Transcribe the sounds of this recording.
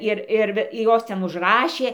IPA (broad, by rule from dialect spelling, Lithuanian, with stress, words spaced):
ˈɪr ˈɪr ˈɪr ˈjoːs ˈtʲɛn ʊʒˈrɑːʃʲeː